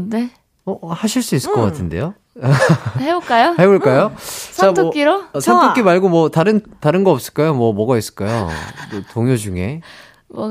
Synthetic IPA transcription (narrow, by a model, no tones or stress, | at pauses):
ne | ʌhaɕʰiɭs͈uis͈ɯk͈ʌk͈atʰɯnde̞̰jo | heboɭk͈ajoheboɭk͈ajot͡ɕamtʰoʌk͈iɾosʰantʰokk͈imaɭɡomwʌtaɾɯntaɾɯnɡʌʌp̚s͈ɯɭk͈ajomwʌmʌɡais͈ɯ̥ɭk͈ajo̰otoŋjod͡ʑuŋe̞̰